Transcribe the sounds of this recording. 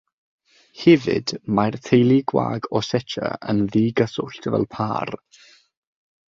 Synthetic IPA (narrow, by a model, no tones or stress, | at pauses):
hɛvɪ̰d̥majrtʰejlˠiɡwa̰ːɡɔsɛt͡ʃʰə̰ə̰nðiːɡəsʊɬtʰəvɛ̰lˠpʰa̰ːr